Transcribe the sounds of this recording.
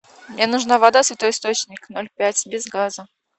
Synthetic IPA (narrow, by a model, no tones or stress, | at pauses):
mnʲenʊʐnavɐd̪asvʲɪt̪ojɪst̪o̞t͡ɕnʲɪknolʲpʲætʲbʲɪzɡazə